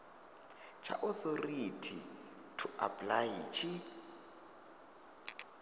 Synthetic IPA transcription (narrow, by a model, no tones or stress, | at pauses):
t͡ʃʰa̰ʔɔθoritʰi | tʰuapʼlajit͡ʃʰi